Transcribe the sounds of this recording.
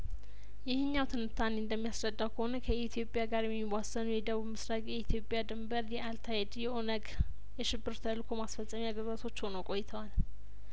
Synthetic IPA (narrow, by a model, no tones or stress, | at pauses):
jɪhɨɲːawt̪ʰɨnɨt̪ʰaneɨnd̪əmːijasɾəd̪ːawkʰəhonəkʰəit̪ʰijo̞pʼjaɡaɾjɛmːiwasːənujɛd̪əβuβmɨsɾakʼjɛit̪ʰjo̞pʼjad̪ɨmbəɾjɛalt̪ʰajɛd̪jɛʔo̞nəɡ | jɛʃɪbːɨɾt̪ʰəlkʰo̞masfəsʼːəmiaɡəzat̪ʰo̞t͡ʃːho̞nokʼo̞jːt̪ʰəwal